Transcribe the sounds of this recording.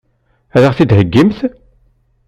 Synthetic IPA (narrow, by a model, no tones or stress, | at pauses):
æɾəʁθid̪həɡːimθ